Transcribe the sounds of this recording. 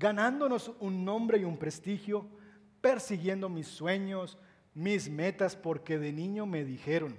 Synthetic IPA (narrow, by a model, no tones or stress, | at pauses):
ɡanand̪o̞no̞sunːõ̞mbɾe̞iumpɾe̞st̪ixjo̞ | pe̞ɾsiɣje̞nd̪o̞misːwe̞ɲo̞s | mizme̞t̪aspo̞ɾke̞ðe̞nĩɲome̞ðixe̞ɾo̞n